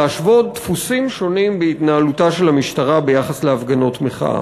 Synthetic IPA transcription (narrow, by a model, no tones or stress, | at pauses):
aʃvo̞d̪̚t̪fusimʃo̞nimbeit̪naalutaʃelamiʃtaʁabe̞jaχasleafɡano̞tmeχa̰